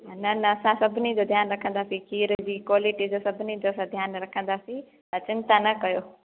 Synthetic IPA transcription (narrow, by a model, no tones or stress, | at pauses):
nɐnɐːsãsɐbʱnid͡ʑod̪ʱjaːnɾɐkʰə̃nd̪aːsĩkiːɾd͡ʑiːkwaːliʈid͡ʑosɐbʱnid͡ʑoəsãd̪ʱjaːnɾɐkʰə̃nd̪asĩ | t̪ət͡ʃɪnt̪anɐkɐjoː